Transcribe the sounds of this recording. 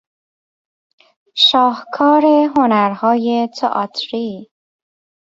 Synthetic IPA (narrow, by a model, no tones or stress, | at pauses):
ʃɒːhkʰɒːɾeɦonæɾhɒːjet̪ʰḛʔɒt̪ʰɾi